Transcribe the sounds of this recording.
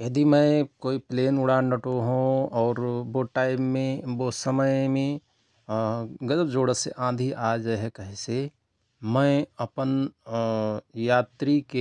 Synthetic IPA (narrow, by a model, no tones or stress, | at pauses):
jɐd̪imə̃koːipleːnʊɽanəʈoɦũɔːɾboʈaːɪbmẽbosəməjmẽ | ɡəd͡ʒəbd͡ʒoːɽəseʔãːd̪ʱiʔaːd͡ʒɦɛkəɦɪse | mə̃ɐpən | jaːt̪ɾike